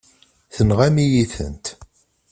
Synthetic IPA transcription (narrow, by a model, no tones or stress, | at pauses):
θənʁæmijiθə̰nt̪